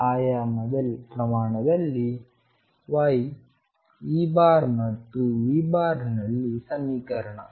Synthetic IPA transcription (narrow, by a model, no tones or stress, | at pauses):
aːjaːmɐd̪ɐlpɾɐmaːɳɐd̪ɐlːi | ʋaːj | iːbaːɾmɐt̪ːuiːbaːɾnɐlːisɐmiːkɐɾɐɳɐ̰